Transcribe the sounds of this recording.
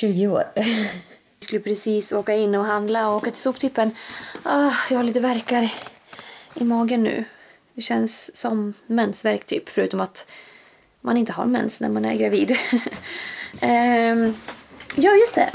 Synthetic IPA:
ʉ̟ːɡɪoːɾ | skɵləpʰɾɛsiːsoːkaɪnːɔɦand̪laɔoːkat̪ʰɪlsuːpt̪ʰyːpːənɑːjɑːɡhaɾɭiːt̪əvæɾkaɾə | ɪmɑːɡənːʉ̟̰ː | d̪̥ɛɕɛnsːɔmːɛnsvæɾkt̪ʰy̰ːpfœɾʉ̟ːt̪ɔmat̪ | manɪnt̪əɦa̰ɾmɛ̰nsnæ̰ɾmanæ̰ɾɡɾaviːd̪ | jɑːjɵst̪ɛ̰

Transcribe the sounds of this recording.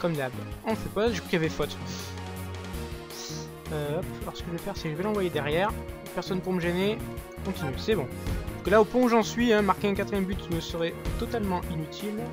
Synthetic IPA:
kɔmd̪abɔ̃fɛpaʒəkʰḁkjavɛfɔt̪ | øɔpalɔʁsə̥kəʒəvɛfɛʁsɛʒəvɛlɑ̃vwajed̪ɛʁjɛːʁ | pɛʁsɔnpuʁməʒɛne | kɔ̃t̪inɥesɛbɔ̃ɔ̥̃kəlaopwɔ̃uʒɑ̃sɥiɛ̃maʁkʲeɛ̃kat̪χijɛmbyt̪məsəʁɛt̪ɔt̪almɑ̃ʔinyt̪ʰil

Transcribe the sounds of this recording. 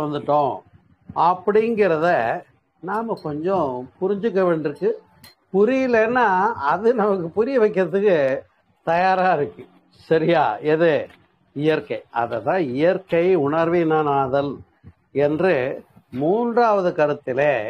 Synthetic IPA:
ʋɐnd̪ɯʈːõː | ɐpːɐɽɪŋɡɪɾɐðɛ | naːmɐkɔɲd͡ʒɔ̃pʊɾɪɲd͡ʒɯk̬ːɐʋeːɳɖɪɾɯkːɯ | pʊɾɪjɪlɛnːaːɐðɯnɐmɐkːɯpʊɾɪjɐʋɐɪkːɪɾɐðɯkːɯ | t̪ɐjaːɾaːɪɾɯkːɯ | sɐɾɪjaːɛðɯ | ɪjɐɾkɐɪɐ̰ðɐt̪ːãːɪjɐɾkɐɪʊɳɐɾʋinaːnaːðɐl | ɛndrɯmuːndraːʋɐðɯkɐɾɯt̪ːɪle

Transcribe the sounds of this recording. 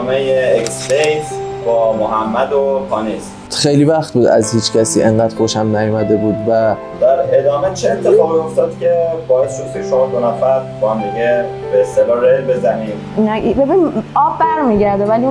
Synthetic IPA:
mejeeksfejsbɒːmoɦæmːæd̪opʰɒːnis | xejliːvæxt̪̚buːd̪æ̰zhiːt͡ʃcʰæsiːʔe̞ŋɢæːd̪̥kʰoʃæmnæjomæd̪e̞buːd̪væ | d̪̥æɾed̪ɒːme̞t͡ʃʰeːnt̪ʰefɒːɣioft̪ɒːd̪̥cʰʲebɒːjesist̪ueʃomɒd̪onæfæɾbɒhæmd̪iɡe | beːst̪elɒːɾelbezæmiːn | inaibebiniɒːbːæɾmiːɟæɾd̪evæli

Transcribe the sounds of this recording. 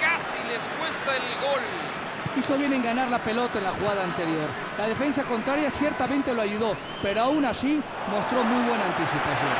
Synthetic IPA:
kasileskwe̞st̪aelɣol | iso̞β̞jeneŋɡanaɾlape̞lo̞t̪oenlaxuɣað̞aːnt̪e̞ɾjo̞ɾ | lað̞e̞fe̞nsako̞nt̪ɾaɾjasje̞ɾt̪amẽnt̪e̞loaʝuðo̞ | pe̞ɾoawnasi | mo̞st̪ɾo̞mujβ̞we̞naːnt̪isipaθjo̰n

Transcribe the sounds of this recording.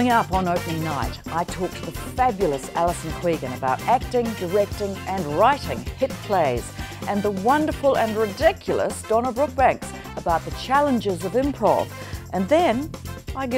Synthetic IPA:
ɪ̃ŋʌpn̩oʊpɨ̃nːaɪɾʔaɪtʰɔk̚t̚ðəfæbjl̩ˠəsæ̰lˠəsn̩kʰw̥iɡɨ̃nɨbaʊɾæk̚tɪ̃ŋdə˞ɛk̚tɪ̃ŋɨ̃nɹaɪɾɪ̰̃ŋhɪt̚pʰl̥eɪz̥ʔɨ̃nðəwʌ̃ndə˞fəl̩ˠɨ̃nɹɨdɪkʰjl̩ˠə̰sd̥ɑnəbɹʊk̚b̥æ̃ŋks | əbaʊt̪̚ðɨt͡ʃʰælˠə̃nd͡ʒɪzʌvɨ̃mpʰɹ̥ɔ̰v | ʔɨ̃nðɨ̃nʔaɪɡ

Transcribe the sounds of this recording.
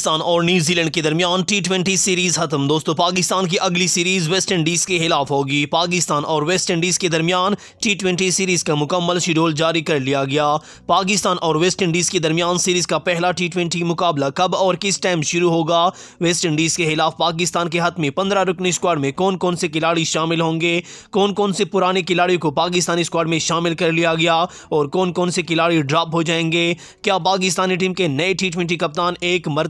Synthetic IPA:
t̪aːnɔːɾnjuːziːlɛ̃ːɳɖ̚ked̪ɐɾmijaːnʈiːʈwɛ̃ɳʈisiːɾiːzxɐt̪əmd̪oːst̪õpaːkɪst̪aːnk̬iʔɐɡlisiːɾiːzʋɛːsʈəɳɖiːzkexɪlaːfɦoːɡiːpaːkɪst̪aːnʔɔːɾʋeːsʈə̃ɳɖiːzked̪ɐɾmijaːn | ʈiːʈwɛ̃ɳʈisiːɾiːzkamʊkəmːəlʃɪɾoːld͡ʒaːɾikɐɾlijaɡɐjaː | paːk̬ɪst̪aːnʔɔːɾʋeːsʈəɳɖiːzked̪ɐɾmijaːnsiːɾiːzkapɛɦlaʈiːʈwɛ̃ɳʈimʊkaːblakɐbɔːɾkɪsʈaːɪmʃʊɾuɦoːɡaː | ʋeːsʈɪ̃ɳɖiːzkexɪlaːfpaːk̬ɪst̪aːnkeɦɐt̪ʰmẽpɐ̃nd̪ɾaɾʊkniskwaːɖmẽkɔːnkɔːnsekɪlaːɽiʃaːmɪlɦõːŋɡekɔːnkɔːnsepʊɾaːnekɪlaːɽikopaːk̬ɪs̬t̪aːniskwaːɖmẽʃaːmɪlkɐɾlijaɡɐjaː | ɔːɾkɔːnkɔːnsekɪlaːɽiɖɾaːpɦod͡ʒaːẽːŋɡeː | kjaːpaːk̬ɪs̬t̪aːniʈ̬iːmkenɐeʈiːʈwɛ̃ɳʈikɐp̚t̪aːneːkmɐɾ

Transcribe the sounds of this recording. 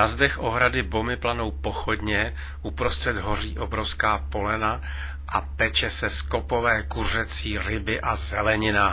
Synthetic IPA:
nazdɛxʔoɦɾadɪbomɪplano̞wpo̞xodɲɛ | ʔupɾost̪r̥ɛd̪ɦoriːʔobɾofskaːpo̞lɛna | ʔapɛt͡ʃɛsɛsko̞povɛːkur̝ɛt͡siːɾɪbɪʔazɛlɛɲɪna

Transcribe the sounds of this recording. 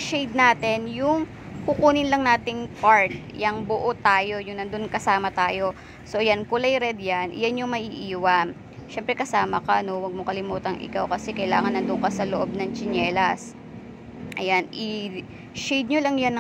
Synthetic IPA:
ʃejd̪̚naːt̪ɛnjʊŋ | kʊkuːnɪnlɐŋnaːt̪ɪŋpaɹt̪̚jɐŋbʊʔot̪aːjo̞jʊnːɐnd̪ʊnkɐsaːmɐt̪aːjo̞ | so̞jankʊlɐjɾɛd̪̚janjanjʊŋmɐʔiːʔiːwɐ | ʃɛmpɾɛkɐsaːmɐkano̞wɐɡ̚mokɐlɪmuːt̪ɐŋʔɪ̰kawkɐsɛkɐjlaːŋɐnːɐnd̪ʊŋkɐsɐloʔo̞b̚nɐŋt͡ʃɪnɛːlɐs | ʔɐjanʔɪ | ʃɛjd̪̚ɲolɐŋjanɐ

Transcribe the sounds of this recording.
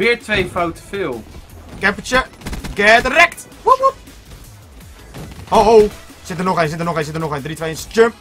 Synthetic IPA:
ʋɪːɹtʋejfawtəfɪlˠ | kɛpət͡ʃəɡɛːdəɾɛkt̚ | oɦow | sɪtənɔχejnsɪtənɔχensɪtənɔχendritʋejɪnstømp

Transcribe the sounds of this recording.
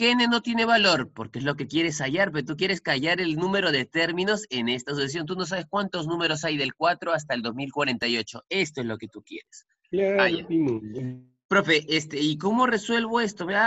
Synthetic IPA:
kene̞no̞t̪je̞ne̞βalo̞ɾpo̞ɾkeezlo̞ke̞kje̞ɾe̞saʝaɾpeɾot̪uk̬je̞ɾe̞skaʝaɾe̞lnũme̞ɾo̞ð̞e̞t̪e̞ɾmĩno̞se̞ne̞st̪as̬usas̬jo̞nt̪̬uno̞saβ̞e̞skwant̪o̞znũme̞ɾo̞sajðe̞lkwat̪ɾo̞as̬t̪aeld̪o̞zmilkwaɾe̞nt̪ajo̞t͡ʃo̞̰e̞st̪o̞e̞zloke̞t̪ukje̞ɾe̞s | aajimoa | pɾo̞fe̞ʔest̪eiko̞mo̞re̞swe̞lβ̞o̞e̞st̪omea

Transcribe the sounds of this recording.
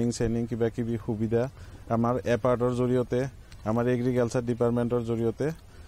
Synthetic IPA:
iŋseniŋkibakibixubidʱaamaɹɛpaɹtɔɹzoɹijɔtɛ | amaɹeɡɹiɡɛlsadipaɹtmɛntɔɹzoɹijɔtɛ

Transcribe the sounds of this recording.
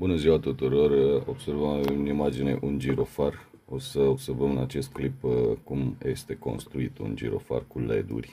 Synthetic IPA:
bunəziwat̪ut̪uɾo̞ro̞bse̞rvəmvemnimad͡ʒine̞̰ʔund͡ʒiɾo̞far | o̞səobse̞rvəmɨnat͡ʃe̞st̪̚klipkumje̞st̪e̞ko̞̰nst̪ɾuit̪ṵnd͡ʒḭɾo̞̰fa̰rkulḛd̪ṵrʲ

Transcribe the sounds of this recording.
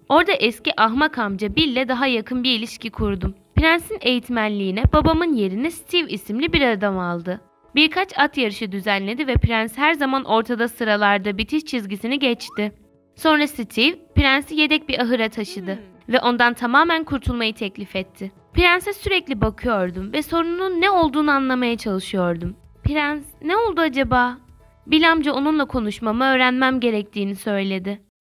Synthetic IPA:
o̞ɾd̪aʔɛsciʔaɦmakʰamd͡ʒabilʲːɛd̪aɦajakʰɯnbiɾilʲiʃcikʰuɾd̪um | pʰiɾænsine̞jit̪ʰmænlʲiːnɛbabamɯnje̞ɾinist̪ʰivisimlʲibiɾad̪amalˠd̪ɯ | biɾkʰat͡ʃat̪jaɾɯʃɯd̪yzænlʲe̞d̪ivɛpʰiɾænshæɾzamanʔo̞ɾt̪ʰad̪asɯɾalˠaɾd̪abit̪ʰiʃt͡ʃʰizɟisiniɟɛt͡ʃt̪ɪ | so̞nɾasit̪ʰivpiɾænsije̞d̪ɛc̚biʔaɦɯɾat̪ʰaʃɯd̪ɯ | vɛʔo̞nd̪ant̪ʰamaːmænkʰuɾt̪ʰulˠmajɯt̪ʰɛclʲifɛt̪ʰːɪ | pʰiɾænsɛsyɾɛclʲibakʰɯjo̞ɾd̪umvɛso̞ɾunununːɛo̞lˠd̪uːnuanlˠamajat͡ʃʰalˠɯʃɯjo̞ɾd̪um | pʰiɾænznɛo̞lˠd̪uad͡ʒabaː | bilʲamd͡ʒao̞nunlˠakʰo̞nuʃmamɯø̞ːɾænmæmɟe̞ɾɛc̚t̪ʰiːnisø̞jlʲe̞d̪ɪ

